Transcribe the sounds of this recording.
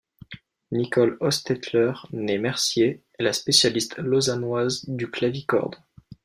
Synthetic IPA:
nikɔlɔst̪ɛt̪lœʁnemɛʁsje | ɛlaspesjalist̪lɔzanwazd̪yklavikɔ̰ʁd̪

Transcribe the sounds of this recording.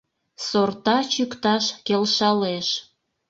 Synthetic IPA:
sort̪ɑt͡ɕykt̪ɑʃkelʃɑleʃ

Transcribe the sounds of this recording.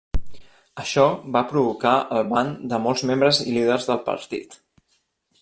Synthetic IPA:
əʃɔβapɾuβukaəlˠβand̪əmɔlˠzmembɾəzḭliðəɾzðəlˠpə̰ɾt̪ḭt̪

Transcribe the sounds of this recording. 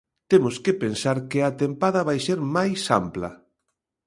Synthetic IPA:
t̪emʊskɪpensaɾkɪɐt̪empaðɐβajseɾmajsa̰mplɐ̰

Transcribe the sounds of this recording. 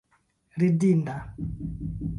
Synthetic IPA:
ɾidinda

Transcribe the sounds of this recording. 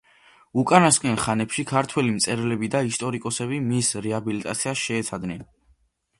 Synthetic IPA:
ukʼanaskʼɛnχanɛpʃikʰaɾt̪ʰwɛlimt̪sʼɛɾlɛbid̪aist̪ʼɔɾikʼɔsɛbimisɾɛabilit̪ʼa̰t̪sʰiasʃɛːt̪sʰad̪nɛn

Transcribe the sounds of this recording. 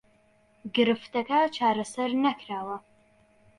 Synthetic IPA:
ɡɨɾɨftʰɐkʰaːt͡ʃʰaːɾɐsɐrnɐkʰraːwɐ

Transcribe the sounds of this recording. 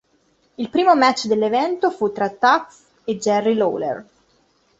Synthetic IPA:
ilpɾiːmomɛt͡ʃːd̪elːevɛnt̪ofut̪ːɾat̪ːats | ed͡ʒɛrːilo̰lḛr

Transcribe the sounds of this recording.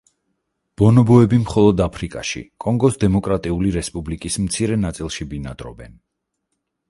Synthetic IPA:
b̥ɔnɔbɔɛbimχɔlˠɔd̪apʰɾikʼa̰ʃḭkʼɔŋɡɔsd̪ɛmɔkʼɾat̪ʼiuliɾɛspʼublikʼismt̪sʰiɾɛnat̪sʼilˠʃibinad̪ɾɔbɛn

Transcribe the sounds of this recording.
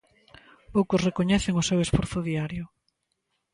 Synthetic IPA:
powkʊsrekoɲɛθeŋʊsewesfɔɾθʊðiaɾjʊ

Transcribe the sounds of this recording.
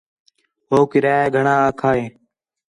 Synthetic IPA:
ɦoːkɪɾaːjaːɡʱəɳãːaːkʰaːɦeː

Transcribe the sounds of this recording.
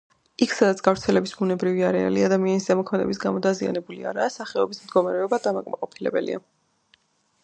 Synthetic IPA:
ikʰsad̪at̪sʰɡ̥avɾt̪sʰɛlɛbisbunɛbɾiviaɾɛa̰liad̪amianiszɛmɔkʰmɛd̪ɛ̰bis̬ɡamɔd̪azia̰nɛbulḭa̰ɾaːsaχɛɔbismd̪ɡɔmaɾɛɔbad̪amakʼmaqʼɔpʰilɛ̰bɛlḭa̰

